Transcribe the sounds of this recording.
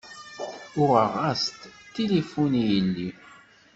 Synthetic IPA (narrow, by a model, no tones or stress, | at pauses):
ʊʁəʁːast̪t̪ːilifunijəlːi